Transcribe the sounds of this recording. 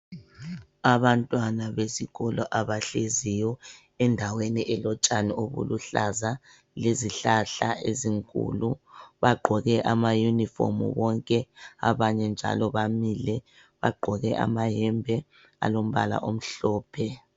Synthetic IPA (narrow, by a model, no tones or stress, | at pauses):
aβantʼwanaβesiɣɔlɔʔaβaɬezijɔ | ɛndʱaweniʔɛlɔt͡ʃʼanioβṵluɬaza | leziɬaɬaeziŋkʼṵluβaɡ͡ǃʱɔɣɛʔamajunifɔ̰mṵwɔŋkʼɛa̰βaɲɛnd͡ʒʱa̰lɔβamilɛ | βa̰ɡ͡ǃʱɔɣɛʔa̰maɦɛmbʱɛ | a̰lom̩βa̰la̰ʔom̩ɬɔːpʰɛ